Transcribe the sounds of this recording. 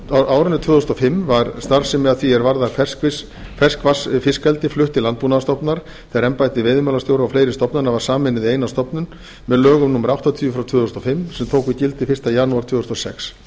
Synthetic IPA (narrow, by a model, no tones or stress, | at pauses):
aːwɾʏnʏt̪ʰvʏːðuʏst̪ɔfɪmːvaɾst̪aɾ̥sɛmɛaθiɛɾvaɾðafɛskɪ | fɛskvasfɪskɛlt̪ɪflʏht̪ɪlant̪̚puːnaðast̪ɔpnaɾ̥ | θɛɣaɾɛmpajt̪ɪvɪðmɛːlast̪jowɾaawfleːjɾɪst̪ɔpnaɾnavaɾ̥saːmɪnɪðɪeːjnast̪ɔpnʏn | mɛðlœːɣʏmnumːaɾawht̪at̪ʰiːʏfɾawt̪ʰvʏːðʏsnɔfɪmːsɛmt̪ʰoːwkicɪlt̪ɪfɪr̥t̪ajaːnuaɾt̪vʏːðsnɔsɛ̰ks